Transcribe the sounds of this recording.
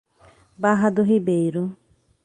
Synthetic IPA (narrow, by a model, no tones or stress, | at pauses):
baɦad̪uɦibejɾu